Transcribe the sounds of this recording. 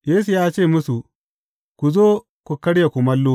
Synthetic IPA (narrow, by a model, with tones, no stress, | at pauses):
jeː˦su˨jaː˦t͡ʃeː˦˨mʊ˦su˨ | kʷu˨zoː˦ | ku˨kɐ˦ɽja˨kʷu˨mɐ˦lːoː˦